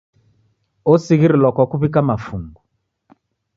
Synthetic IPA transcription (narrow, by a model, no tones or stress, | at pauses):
ɔsiɣiɾilwakwakuβikamafuŋɡu